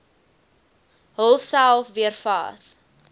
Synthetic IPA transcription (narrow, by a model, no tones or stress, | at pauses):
ɦəlˠsælˠfviərfɑ̰ːs